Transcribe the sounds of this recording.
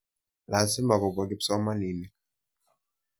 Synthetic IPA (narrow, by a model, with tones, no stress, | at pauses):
la˨si˦mba˨kɔ˨bɔ˨k̬i˦psɔ˦ma˦ni˨ni˨